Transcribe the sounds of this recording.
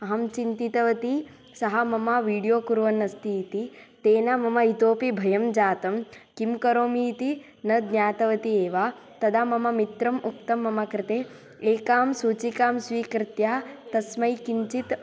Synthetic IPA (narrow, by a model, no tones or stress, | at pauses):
ɐɦɐmt͡ʃint̪it̪ɐʋɐt̪i | sɐɦɐmɐmɐʋiːɽijoːkuɾʋɐnːɐst̪it̪it̪eːnamɐmɐit̪oːpibʱɐjɐmd͡ʒaːt̪ɐmkimkɐɾoːmiːt̪i | nɐd̪nʲjaːt̪ɐʋɐt̪ieːʋaː | t̪ɐd̪amɐmɐmit̪ɾɐmʔuk̚t̪ɐmːɐmɐkɾɪt̪eː | eːkaːmsuːt͡ʃikaːmsʋiːkɾɪt̪jaːt̪ɐsmɐjkiɲt͡ʃit̪